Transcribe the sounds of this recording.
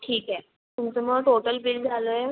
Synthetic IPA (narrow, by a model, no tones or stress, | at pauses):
ʈʰiːkɛ | t̪umt͡səməɡʈoʈəlbild͡zʱaləːje